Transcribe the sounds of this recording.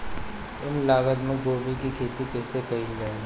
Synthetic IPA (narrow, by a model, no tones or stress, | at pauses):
ʊmlaːɡəd̪mə̃ɡoːbikikʰeːt̪ikɛːsekɐĩd͡ʒaːen